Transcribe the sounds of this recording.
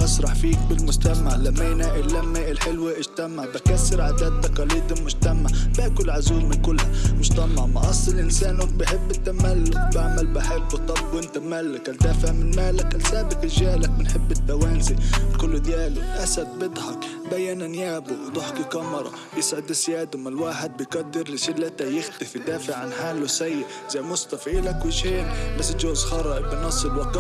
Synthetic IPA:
ʔɑsɾˤɑħfiːk̚bɪlmʊd͡ʒt̪amaʕlamːaːnaːʔɪlːamːaːʔɪlħɪlwiʔɪʒt̪amaʕbakasːɪɾʕad̪aːd̪̚ːɑqɑliːd̪ɪlmʊd͡ʒt̪amaʕbaːkʊlʕazuːlmɪnkʊlːhamʊʒt̪amaʕmɑʔɑsˤːɨlʔɪnsaːnʊkbɪħɪbːɪt̪ːamalːʊk̚baʕmalbɪħɪbːɨt̪ˤːɑbːwɪnt̪amalːʊkɪld̪afaʕmɪnmaːlakɪlsaːbɪkɪlʒaːlak̚bɪnħɪbːɪt̪ːawaːnzikʊlːʊd̪jaːlʊʔasab̪̚bɪd̪ˤhɑkbajːananjaːbʊwt̪ˤʊħkikɑmɑɾˤɑ̰ | bjɪsʕɪd̪ɪsjaːd̪amalwaːħɪd̪̚bɪjɡad̪ːɪɾːɪsɪlːat̪ajɪxt̪ɪfid̪aːfɪʕʕanħaːlːʊsajːɪ | zajmʊst̪ɑfiʔɪlakwɪʒeːnbasːʒoːzxɑɾˤɑʔɪbɪnɑsˤːɪlwak

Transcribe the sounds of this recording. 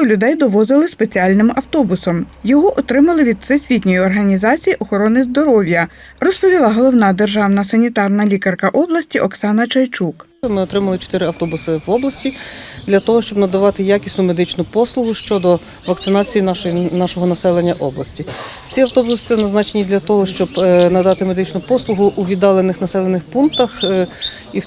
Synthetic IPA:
ɔlʲʊd̪ɛjd̪ɔʋɔzɪlˠɪspe̞t͡sʲiɑlʲnɪmɐwt̪ɔbʊsɔmjɔɦɔʔɔt̪ɾɪmɐlˠɪʋʲid̪̚sesʲʋʲitʲnʲɔjiɔrɦɐnʲizɑt͡sʲijiʔɔxɔɾɔnɪzd̪ɔɾɔʋʲjɐ | rɔspɔʋʲilˠɑɦɔlˠɔwnɑd̪erʒɑwnɐsɐnʲit̪ɑrnɐlʲikɐrkɐʔɔblˠɐsʲtʲiʔɔksɑnɐt͡ʃɔjt͡ʃuk | mɪɔt̪ɾɪmɐlˠɪt͡ʃɔ̥t̪ɪɾɪɐwt̪ɔbʊsɪwɔblˠɐsʲtʲid̪lʲɐt̪ɔɦɔʃt͡ʃɔbnɐd̪ɐʋɑt̪ɪjakʲisʲnʊme̞d̪ɪt͡ʃnʊpɔslˠʊɦʊʃt͡ʃɔd̪ɔ | ʋɐk̚t̪sɪnɑt͡sʲijinʃnɑʃɔɦɔnɐsɛlˠenʲːɐʔɔblˠɐsʲtʲit͡sʲiɐwt̪ɔbʊsɪ̥t͡s̪ɛnɐznɑt͡ʃenʲid̪lʲɐt̪ɔɦɔʃt͡ʃɔbnɐd̪ɑt̪ɪme̞d̪ɪt͡ʃnʊpɔslˠʊɦʊʔuʋʲid̪ɑlˠenːɪxnɐsɛlˠenɪxpunkt̪ɐx | i

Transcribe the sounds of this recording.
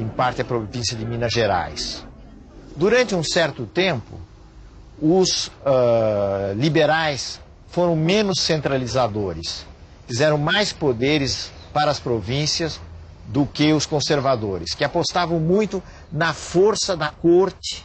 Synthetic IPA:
ẽpaɾt̪ɪɐpɾovĩsjɐd̪ɪmĩnɐʒeɾa̰js | d̪uɾɐ̃nt͡ʃ̪ɪũsɛɾt̪ʊt̪ẽmpʊ̰ | ʊsɛ | libeɾajs | foɾɐ̃w̃mẽnʊsːẽnt̪ɾalizad̪oɾɪs | fizɛɾɐ̃w̃majspod̪eɾɪs | paɾɐːspɾovĩsjɐz | d̪ʊkɪʊskõseɾvad̪oɾɪskɪapost̪avɐ̃w̃mũj̃t̪ʊ | nɐfoɾsɐd̪ɐkoɾt͡ʃ̪ɪ̥

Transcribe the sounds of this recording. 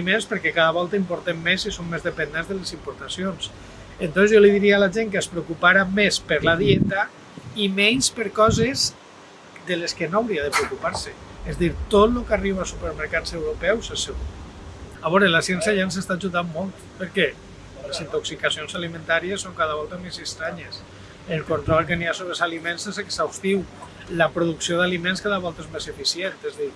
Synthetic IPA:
imenspəɾkɛkaðaβɔlˠt̪aimpoɾt̪emːesisoŋmezðepend̪enzðəlesimpoɾt̪asions | ent̪onzjoliðiɾiealaʒeŋkəespɾeukupaɾamespəɾlaðiet̪a | imɛɲspəɾkɔzez | d̪eleskenoawɾiaðəpɾeukupaɾsəezd̪iɾt̪ot̪lokariβ̞asupəɾməɾkasewɾupɛwsaseɣu | aβɔɾelasjɛnsjaʒansest̪aʒuðanmolˠt̪pəɾkɛ | lesint̪oksikasionsalimẽnt̪aɾiesːoŋkaðaβɔlˠt̪amesekst̪ɾaɲes | elˠkont̪ɾɔlˠkeniasoβɾezalimensezeksawst̪iw | ləpɾoðuksioðalimenskaðaβɔlˠt̪ezmesefisient̪ezðiɾ

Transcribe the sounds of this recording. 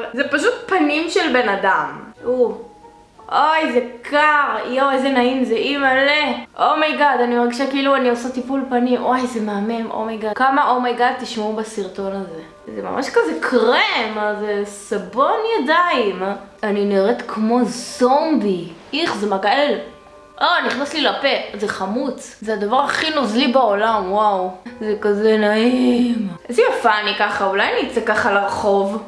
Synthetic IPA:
zepaʃ̬ut̪̚panimʃelbe̞nad̪amu | ʔojzekʰaʁioezenaimzeʔimaleʔomejɡad̪animaʁɡiʃakiiluaniosat̪ipulpanimwajzemeamemʔo̰mejɡakamaʔomejɡad̪̚t̪iʃmaubasiʁt̪o̞naze | zema̰mʔaʃkazekʰʁemzesabo̞njad̪aimaniniʁet̪kʰmo̞zo̞mbiʔiχzemaɡaeel | ʔoniχnaslilape̞zeχamut͡szead̪avaʁaχinozlibaolamwawzekazenaimezejafaːnikaχaulajanit͡sekaχalaʁχo̞v

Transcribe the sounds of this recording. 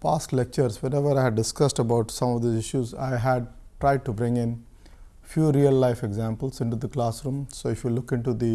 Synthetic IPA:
paːsʈlek̚t͡ʃəɾsʋeɾeʋəɾaɪæɖɖɪskʌsʈəbaʊʈsʌ̃mɔʋd̪iːsɪʃjuza̰ɪɦæɖ̚ʈɾaɪɖ̚ʈubɾɪ̃ŋɪ̃n | fjuːɾiəlːaɪfeɡzãmpəlsɪ̃ɳʈud̪iklaːsɾũmsoːɪfjulʊkɪ̃ɳʈud̪i

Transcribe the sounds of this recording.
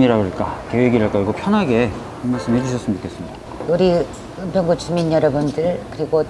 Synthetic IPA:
ɲiɾaboɭk͈akeweɡiɾaɭk͈ad͡ʑiɡopʰjʌnɦaɡe̞ | imːaɭs͈ɯmɦed͡ʑiɕʰʌs͈ɯmd͡ʑo̥k͈es͈ɯmɲid̥a | uɾi | ɯmpʰjʌŋɡut͡ɕuminjʌɾʌbundɯɭkɯɾiɡo

